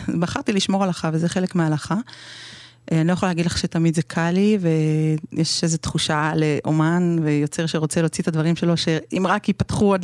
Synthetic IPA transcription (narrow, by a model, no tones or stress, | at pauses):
baχaʁt̪iliʃmoʁalaχavezeχe̞lekmealaχa | aniojaχoleaːɡid̪laχʃe̞t̪amid̪zekʰalivejʔeʃezet̪χuʃaleʔomanvejo̞t͡seʁʃeʁo̞t͡selo̞t͡sit̪ad̪vaʁimʃe̞lo̞ʃeimʁakipatχuad